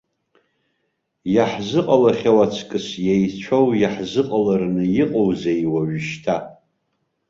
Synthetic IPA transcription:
jaħzɨqʼalaχʲawat͡sʰkʼɨsjejt͡ʃʷʰowjaħzɨqʼalarnɨjɪqʼowzejwaɥɪʃtʰa

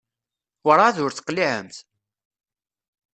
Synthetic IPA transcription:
ɾˤaðʊɾθə̥qliʕə̰mθ

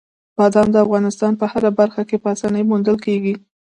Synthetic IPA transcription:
b̥ɑd̪ɑnd̪əafɣɑnɪst̪ɑnpəhaɾabaɾxakepəasɑnəjmund̪əlkeɡi

